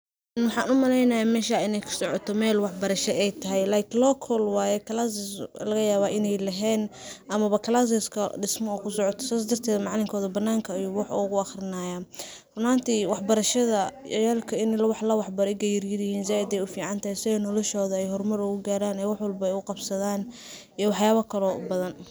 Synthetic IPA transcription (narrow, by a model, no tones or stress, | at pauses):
nwɑħɑːnʊmɐlɛjnɐjaːmɛːʃaːɪnɛjkʰʊ̥sɔʕɔt̪ʰɔmɛːlwɑħbɐɾɐʃɛɛjt̪ʰɐɦɛjlaːkʰɪnlɔkʰɔlwɑːjɛkʰɐlasɪslɐɣɐjaːβaʔɪnɛjlɐɦɛːnʔɐmɐβɐkʰɐlaːs̬ɪskʰɐ̰ɖɪsmɔːkʰʊsɔʕɔt̪ʰɔ̥saːsd̪ɐrt̪ʰɛːdmɑʕlɪŋkʰɔːðɐbɐnːaːŋkʰɐjuwɑħuːɣʊɐxrɪnaːjaː | rɔmaːnt̪ʰiwɑħbɐɾɐʃɐðɐjaːlkʰɐɪnɪlɐwɑħlɐwɑħbɐɾɛɡɛjɪrjɪðɪhiːnsaːɪd̪ɛjʊfiːʕɑnt̪ɐhɛjsɪɔnɔlɔʃɔːðɐɛjɦɔrmɐɾʊɣʊɡaːɾaːnɛwɑħwɑlbɐɛjʊqɑbsɐðaːn | iwɑħjaːβɐkʰɐlɔbɐðɐn